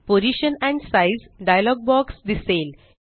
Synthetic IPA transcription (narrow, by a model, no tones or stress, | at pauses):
poɾiɕənɛ̃ɳɖsajzɖajalɔɡ̚bɔksd̪isel